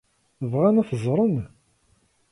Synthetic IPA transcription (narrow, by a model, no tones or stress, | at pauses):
əvʁænæθəzˤɾˤən